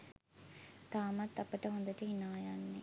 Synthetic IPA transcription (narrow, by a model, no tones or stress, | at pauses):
t̪aːmat̪ːɐpəʈəɦond̪əʈəinaːjanːe